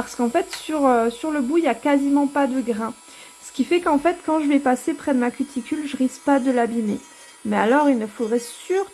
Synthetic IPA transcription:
aʁsə̥kɑ̃fɛt̪syʁøsyʁləbuiljakazimɑ̃pad̪əɡʁɛ̃ | sə̥kʲifɛkɑ̃fɛt̪kɑ̃ʒəvɛpasepχɛd̪əmakʲyt̪ʰikʲylʒəʁispad̪əlabime | mɛalɔʁilnəfod̪ʁɛsyʁ

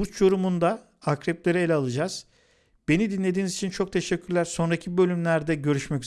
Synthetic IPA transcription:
uɾt͡ʃjo̞ɾumund̪a | akɾɛp̚lʲeɾɛelʲɛaːlˠɯd͡ʒaz̥ | b̥e̞nid̪inlʲe̞d̪iːnizit͡ʃʰint͡ʃʰo̞k̚t̪ʰe̞ʃɛcʰːyɾlʲæɾso̞nɾacʰibø̞lʲymlʲæɾd̪ɛɟø̞ɾyʃmɛc

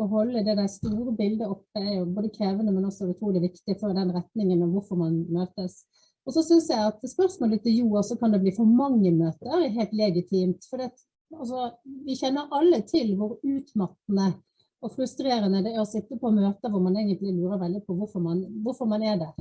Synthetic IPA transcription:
ɔɦɔlːəd̪ɛd̪æɪst̪uːɾəbɪld̪əɔpːd̪ɛæjʊboːd̪əkʰɾeːʋənəmɛnɔsɔʉt̪ʰɾuːlɪʋɪkt̪ɪfɔɾd̪ɛnɾɛt̪nɪŋənɔʋʊɾfɔɾmɑnmøːt̪əs | ɔsɔsʏnsjæɪɑt̪spœɾsmoːlət̪ːɪljuːɑsɔkɑnd̪ɛbliːfɔɾmɑŋːəmøːt̪əɾɛɦɛɪlt̪lɛɡɪt̪ʰiːmt̪fɔɾd̪ɛːɑt̪ | ɑls̬ɔʋɪçɛnːəɾʔɑlːət̪ʰɪlʋʊɾʉːt̪mɑt̪ːnə | ɔfɾʉst̪ɾeːɾənəd̪ɛæɾɔsɪt̪ːəpʰɔːmøːt̪əʋɔɾmɑneːɡənt̪lɪlʉːɾəɾʋɛld̪ɪpʰɔʋʊɾfɔɾmɑnʋʊɾfɔɾmɑnæd̪æɾ

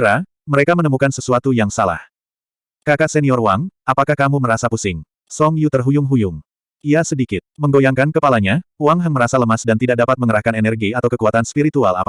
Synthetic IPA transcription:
ɾa | məɾekamənəmukansəsuat̪ujaŋsala̰h | kakahsɛniɔrwaŋapakahkamuməɾasapusɪŋ | sɔŋjut̪ərɦujʊŋɦujʊŋ | iasədikɪt̪̚məŋɡojaŋkankəpalaɲawaŋɦaŋməɾasaləmasdant̪idaʔk̚dapat̪̚məŋəɾahkanɛnɛrɡiat̪awkəkuat̪anspiɾit̪ua̰la̰p

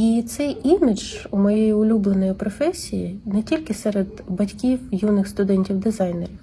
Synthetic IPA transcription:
it̪sɛjʔimʲɪd͡ʒʊmɔjɛjiʊlʲublˠenɔjipɾɔfɛsʲijḭnɛtʲilʲkɪsɛɾed̪bɐtʲkʲiwjunɪxst̪ʊd̪ɛnʲtʲiwd̪ɪzɑjnḛɾʲiw

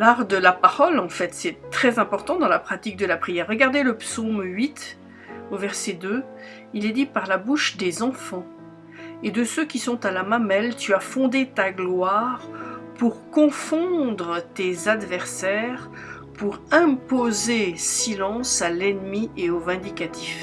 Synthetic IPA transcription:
laʁd̪əlapaʁɔlɑ̃fɛt̪sɛt̪χɛzɛ̃pɔʁt̪ɑ̃d̪ɑ̃lapχat̪ik̚d̪əlapχijɛʁːəɡaʁd̪eləpsomɥit̪ | ovɛʁsɛd̪ø | ilɛd̪ipaʁlabuʃd̪ezɑ̃fɑ̃ | ed̪əsøkʲisɔ̃t̪alamamɛlt̪yafɔ̃d̪et̪aɡlwaʁpuʁkɔ̃fɔ̃d̪ʁət̪ezad̪vɛʁsɛʁ | puʁɛ̃pozesilɑ̃salɛnmieovɛ̃d̪ikat̪ʰif

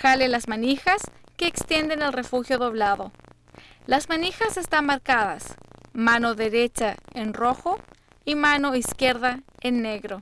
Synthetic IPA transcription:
xalelazmanixaske̞ːkst̪jend̪enelre̞fuxjo̞ðo̞βlaðo | lazmanixase̞st̪anmaɾkaðasmano̞ðe̞ɾet͡ʃaenroxo | imano̞iskje̞ɾðaenːeɣɾo̞

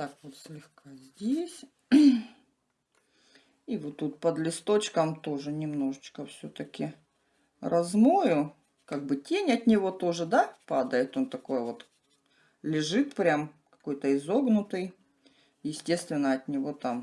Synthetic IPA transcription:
t̪akvot̪sʲlʲɪxkazʲdʲesʲ | ivot̪ːut̪̚pəd̪lʲɪst̪o̞t͡ɕkəmt̪o̞ʐɨnʲɪmno̞ʐɨt͡ɕkəfsʲɵot̪əkʲɪ | rʔɐzmojʊ | kaɡ̚bɨtʲenʲɐt̪ʲnʲɪvo̞t̪o̞ʐɨd̪apad̪əjɪt̪o̞nt̪ɐko̞jvo̞t̪ | lʲɪʐɨt̪pɾʲamkɐ̥ko̞jt̪əɪzo̞ɡnʊt̪ɨj | jɪsʲtʲe̞st̪vʲɪnːəɐt̪ʲnʲɪvo̞t̪am

